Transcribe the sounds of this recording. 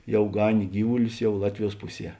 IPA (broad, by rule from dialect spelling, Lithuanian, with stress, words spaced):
ˈjɛʊ ˈɡɑːnʲeː ˈɡʲiːʋʊlʲʊs ˈjɛʊ ˈlˠɑːtʲʋʲɪˌjuɔs ˈpʊˌsʲiɛ